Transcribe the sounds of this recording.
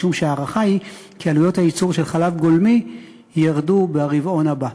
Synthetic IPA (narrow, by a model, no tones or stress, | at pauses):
umʃeaːʁaχaikialujo̞thajit͡suʁʃe̞lχalavɡolmi | jaʁdubeaʁivo̞nhaba